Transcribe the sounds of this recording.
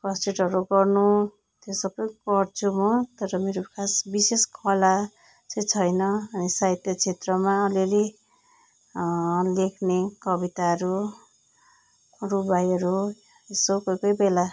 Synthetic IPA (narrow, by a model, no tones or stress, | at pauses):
kʌsʈriʈʌɾuɡʌrnu | t̪ʰjosʌbʌjɡʌrt͡sʰumʌt̪ʌɾʌmeɾokʰasbiseskʰʌla | t͡sʰʌjt͡sʰʌjnʌʌnisajt̪jʌt͡sʰet̪rʌmaʌliɾi | lekʰnekʌbit̪aɾu | rubajʌɾu | esokʌjkʌjbela